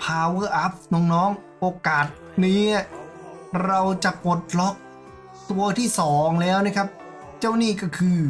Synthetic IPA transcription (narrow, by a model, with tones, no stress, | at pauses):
pʰaː˧wɤː˧˩ʔa˦˥p̚nɔː˨˧˩ŋnɔː˦˥ŋʔoː˧kaː˨˩t̪̚niː˦˥n˥˩ | ɾa˧wt͡ɕa˨˩po˨˩t̪̚lɔ˦˥k̚ | t̪u˧ɐt̪ʰiː˥˩sɔː˩˦ŋlɛː˦˥wna˦˥˩kʰa˦˥p̚ | t͡ɕaː˥˩wniː˥˩kɔː˥˩kʰɯː˧